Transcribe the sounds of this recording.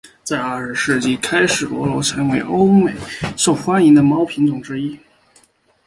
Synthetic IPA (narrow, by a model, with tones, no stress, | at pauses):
t͡sa˥˧ɪə˞˥˩ʂ̩˧ʂɻ̩˥˧t͡ɕi˥˩kʰa˥ɪʂɻ̩˨˩lwɔ˧˥lo˧˥ʊʈ͡ʂʰɤ˧˥nwe˧˥ɪʔo˥ʊme˨˩ɪʂo˥˩ʊxwa˥ni˧˥ŋd̪ə˧mɑ˥ʊpʰi˧˥ŋt͡sʊ˨˩ŋʈ͡ʂɻ̩˥i˥